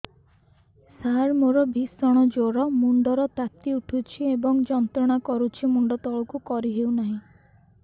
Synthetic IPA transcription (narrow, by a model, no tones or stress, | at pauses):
saɦaɾmoɾɔbisɔɽ̃ɔd͡ʒoɾɔmuɳɖɔɾɔt̪at̪iuʈʰut͡ʃʰiebɔŋd͡ʒɔnt̪ɾɔɽ̃akɔɾut͡ʃʰimuɳɖɔt̪ɔɭɔkukɔɾiɦewnaɦĩ